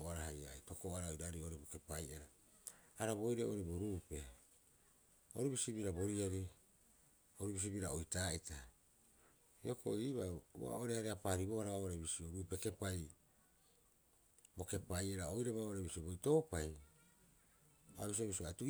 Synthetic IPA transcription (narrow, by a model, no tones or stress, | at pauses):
aɾaɦajajto̞koaɾaojɾaɾioɾiboke̞pajʔeɾaː | ɾabo̞jɾeʔoɾiboɾuːpe̞ | o̰ɾibisibiɾabo̞ɾiaɾi | oɾibis̬ibiɾaojtaːita | io̞ko̞̰iβawa̰oɾeaɾeapaːɾibohaɾaβaoɾebisioɾuːpe̞ke̞paj | bo̞ke̞pajʔeɾaojɾeβaoɾebisiobojto̞ːpaj | abis̬iobisiatu